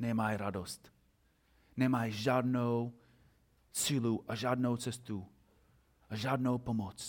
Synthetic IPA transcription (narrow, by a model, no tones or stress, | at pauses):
nɛmajɾadɔst | nemajʒadnow | siluʔəʒadnowt͡səstu | əʒadnowpɔmɔt͡s